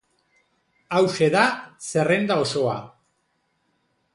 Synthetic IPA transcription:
awse̞ðase̞re̞nd̪ao̞so̞a̰

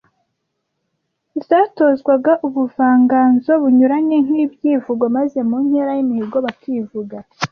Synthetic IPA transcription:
zaːto̞zɡwaɡaʔuβuvaːŋɡaːnzo̞βuɲuɾaɲe̞ŋ̥ibjiːvuɡwomaze̞mun̥he̞ɾajimiiɡo̞βakʰivuɡa

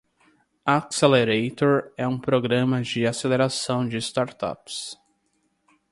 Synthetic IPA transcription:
akseleɾejt̪oɾɛũpɾoɡɾɐ̃mɐd͡ʒɪaseleɾasɐ̃w̃d͡ʒɪst̪aɾt̪a̰ps

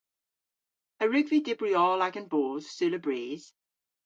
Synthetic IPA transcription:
əɹʉɡvidɪbɹiɔːlaɡə̃nboːz̥sʉləbɹiːz̥

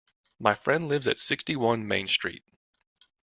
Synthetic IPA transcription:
maɪfɹɛ̃ndˡlɪvzɨ̰tsɪkstiwʌ̃nmḛ̃ɪ̃nstɹ̥ḭt̚

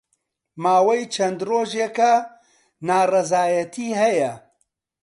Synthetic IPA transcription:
maːwɐjt͡ʃʰɐnd̪roːʒekɐ | naːrɐzaːjɐt̪ʰiːɦɐjɐ

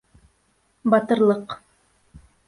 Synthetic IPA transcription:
bɑt̪ɤ̆ɾlˠɤq

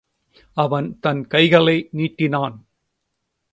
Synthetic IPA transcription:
ɐʋɐnt̪ɐnkɐɪɣɐɭɐɪniːʈːɪnaːn

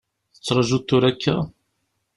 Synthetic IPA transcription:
θə̥t͡sːɾˤɑʒut̪ːʊɾækːæ

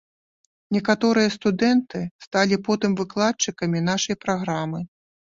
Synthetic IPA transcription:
nʲɛkat̪ɔɾɨjɐst̪ud̪ɛnt̪ɨst̪alʲipɔt̪ɨmvɨklˠat̚t͡ʂːɨkɐmʲinaʂɐjpɾaɣɾamɨ

